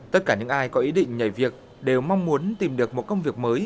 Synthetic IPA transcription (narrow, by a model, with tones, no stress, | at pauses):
t̪ə˦˥t̚kaː˧˩ɲɨ̰˧˥ŋʔaː˧jkɔ˨˦ʔi˨˦ɗḭ̈˧˨ŋ̟ɲə˧˩jvi˨˩ək̚ | ɗe˨˩wma˧wŋ͡mmu˨˦ənt̪i˨˩mɗɨ˨˩ək̚mo˨˩t̚kə˧wŋ͡mvi˨˩ək̚məː˨˦j